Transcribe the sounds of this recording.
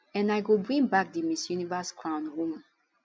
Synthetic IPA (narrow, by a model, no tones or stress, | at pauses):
ɛ̃naɪɡobɹĩŋbak̚dimisjunivəskʰɹãʊ̃nɹũm